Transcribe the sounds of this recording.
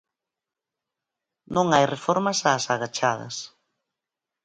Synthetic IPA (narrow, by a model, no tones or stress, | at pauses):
nõŋajrefɔɾmɐsaːsaɣat͡ʃað̞ɐ̰s